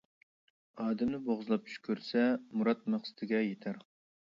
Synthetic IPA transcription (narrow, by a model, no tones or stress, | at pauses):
ɑːd̪ɛmnɪboʁzɨlˠɑp̚t͡ʃʰy̥ʃkʲʰøɾsɛmuɾɑt̪̚mæχsɨ̥t̪ʰɪɡʲɛjet̪ʰæɾ